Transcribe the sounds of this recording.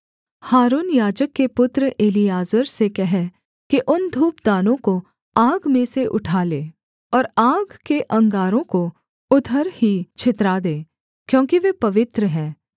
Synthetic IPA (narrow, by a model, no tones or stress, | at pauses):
haːɾuːnjaːd͡ʒəkːepʊt̪ɾəʔeːlijaːzəɾsekɛɦɛ | kiʔʊnd̪ʱuːpd̪aːnõko | aːɡmẽseʔʊ̰ʈʰaːleː | ɔːɾaːɡkeʔɐ̃ŋɡaːɾõko | ʊd̪ʱəɾhit͡ʃʰɪt̪ɾaːd̪ẽː | kjõːkiʋepɐʋɪt̪ɾəɦɛ̃ː